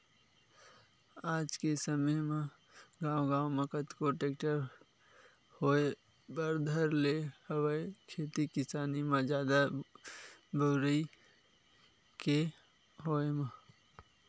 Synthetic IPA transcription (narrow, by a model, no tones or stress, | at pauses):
aːd͡ʒkesəməmã | ɡaːwɡãːwməkət̪koʈeːkʈəɾ | hoːe | bəɾd̪ʱəɾlehəwəekʰeːt̪ikɪsaːnimãd͡ʒjaːd̪a | boːɾəi | ke | ɦoːema